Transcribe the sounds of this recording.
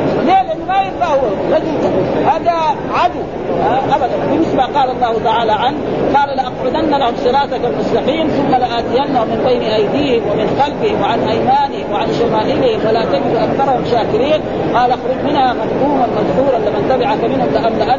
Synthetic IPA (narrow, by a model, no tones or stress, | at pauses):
leːlʔɪnːimajɪbɡahuwɾˤɑd͡ʒult̪abulhaːd̪a | ʕad̪uw | aʔabad̪anbɪnːɪsbaqɑːlɑlˤːɑːhut̪aʕaːlaʕanqɑːlalaʔɑqʕʊd̪ʔanːalahumsˤɨɾˤɑːt̪akalmʊslaħiːnθʊmːalaʔaːt̪ijanːahmːɪnbajniʔajd̪iːhɪmwamɪnxalfɪhɪmwɪʕanʔajmaːnɪhɪmwɪʕanʃamaːhɪlɪhɪmwalat̪aɡɪd̪uʔakθɑɾˤɑhumʃaːkɪɾiːn | qɑːlʔaxɾʊd͡ʒmɪnhamad̪kuːmalmad̪ħuːɾɑnlamant̪abɪʕakamɪnhʊmlaʔamlaʔa